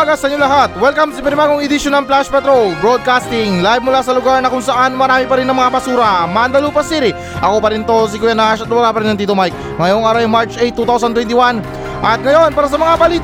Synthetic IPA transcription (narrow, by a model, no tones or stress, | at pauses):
aɡɐsɐɲolɐɦat̪̚wɛlkɐmsipɛɾmaɡoŋɛd̪ɪʃonɐlplaʃpɛt̪ɾolbɾod̪̚kast̪ɪŋlajbmʊlaːsɐloɡaɾnɐkʊŋsɐʔanmɐɾaːmipɐɾinɐŋmɐŋapɐsuːɾɐmaɐnd̪ɐlupɐsiɾɪ | ʔɐko̞pɐɾɪnt̪os̬ikʊjanaʃɐt̪lʊmɐɾaːpɐɾinːɐŋt̪iːt̪omajk̚ | ŋɐjoŋʔaɾajŋmaɹt͡ʃʔejt̪ːut̪aws̬ɐnt̪wɛnt̪̬ɪwan | ʔɐt̪̚ŋɐjo̞npaːɾɐs̬ɐmɐŋabɐliːt̪